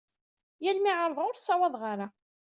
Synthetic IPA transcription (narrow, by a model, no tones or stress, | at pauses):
jælmiʕəɾˤðˤʊɾsˤːɑwɑðˤʁaɾa